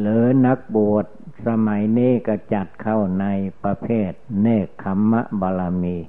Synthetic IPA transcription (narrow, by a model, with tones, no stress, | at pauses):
lɯː˨˦na˦˥k̚bu˨˩ət̪̚sa˧ma˨˦jniː˥˨ka˧˩t͡ɕa˨˩t̪̚kʰa˧˩wna˧˥jpɾa˧pʰeː˥˩t̪̚neː˧˩kʰːa˧mːa˦˧ʔbɔː˧la˧miː˧˩